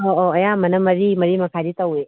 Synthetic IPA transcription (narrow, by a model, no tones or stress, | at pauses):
ooɐjamɐnɐmɐɾimɐɾimɐkʰaɾitawe